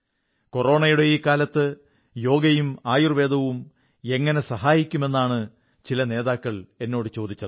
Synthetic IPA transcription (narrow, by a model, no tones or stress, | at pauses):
koro̞ːɳɐjuɽe̞iːkaːlɐt̪ːɨ | jo̞ːɡɐjumaːjurʋe̞ːd̪ʱɐʋum | e̞ŋːɐne̞sɐɦaːjikʲːume̞nːaːɳɨ | t͡ɕilɐne̞ːðaːkːɐɭe̞nːo̞ːɽɨt͡ɕo̞ːd̪it͡ɕːɐðɨ